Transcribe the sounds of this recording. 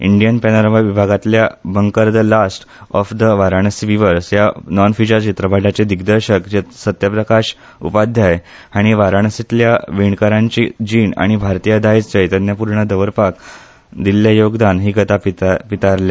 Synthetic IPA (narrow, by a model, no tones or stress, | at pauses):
ḭɳɖijənpɛnəɾʋaʋibʱaɡat̪ljabəŋkəɾd̪əlasʈ | ɔfd̪əʋaɾaɳ̃əsʋiʋəɾsjanɔnfit͡ɕəɾt͡ɕit̪ɾəbʱaɖat͡ɕed̪iɡd̪əɾɕəkd͡ʑesət̪jəpɾəkaɕ | ṵpad̪ʱjaj | aɽ̃iʋaɾaɳ̃əsit̪ljaʋiɳkaɾãɲt͡ɕid͡ʑiːna̰ɽ̃ibʱaɾt̪ijəd̪ait͡sd͡ʑəjt̪anjapuɾɳəd̪əʋəɾpak | d̪ilːjajoɡd̪anɦiːɡət̪apipit̪aɾlja